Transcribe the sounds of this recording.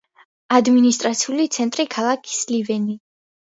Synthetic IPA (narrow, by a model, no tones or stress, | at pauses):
ad̪minist̪ʼɾat̪sʰiulit̪sʰɛnt̪ʼɾikʰalˠakʰi̥slivɛni